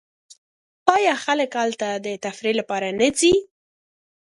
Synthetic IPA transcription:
ɑjɑxaləkhalt̪ad̪ət̪afɾelapɑɾanəzi

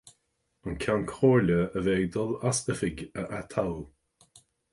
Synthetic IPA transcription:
ənkʰankʰoːɹləəveːɡd̪ɔlasəfɪɡəʔat̪ʰaw

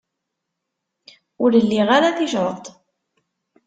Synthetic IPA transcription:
ʊɾəlːiʁaɾaθiʃɾt̪ˤ

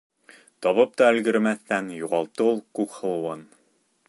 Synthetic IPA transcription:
t̪ɒβɤp̚t̪ɑɘ̆lɡɘ̆ɾmæθt̪ænjuʁɑlˠt̪ːɤulˠkʉkχɤ̆lˠɤ̆wɤn

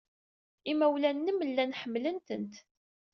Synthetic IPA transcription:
imæwlænːəmlːænħəmːlənt̪ənt̪

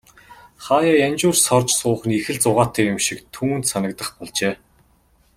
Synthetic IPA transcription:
χaːjaːjant͡ɕʊːrsɔrt͡ɕsʊːχ̆nixɘ̆ɮt͡sʊʁaːt̪ʰeːkjʊmʃikt̪ʰuːnt̪sanə̆kt̪ə̆χpɔɮt͡ɕeː

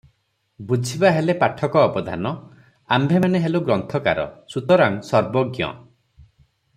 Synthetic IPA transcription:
bud͡ʒʱibaɦelepaʈʰɔkɔːbɔd̪ʱa̰nɔ | ambʱemaneɦeluɡɾɔnt̪ʰɔka̰ɾɔ̰sut̪ɔɾaŋsɔɾbɔɡjɔ̰

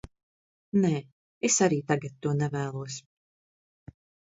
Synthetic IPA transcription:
nɛː | esaɾiːt̪aɡat̪ːuɔnɛvæːlˠuɔs

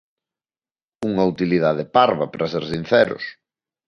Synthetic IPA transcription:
uŋɐut̪iliðaðepaɾβapɾɐseɾsin̟θɛɾʊ̰s

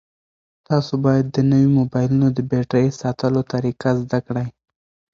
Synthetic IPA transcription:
t̪ɑsobɑjad̪ːənəwimobɑjlunod̪əbeʈɾəjsɑt̪əlot̪aɾiqazd̪akɽaj

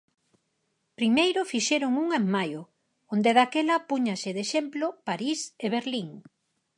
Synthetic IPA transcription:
pɾimejɾʊfiʃeɾʊŋuŋeŋmajo | ond̪eðakelɐpuɲasɪðeʃemplopaɾiseβeɾliŋ

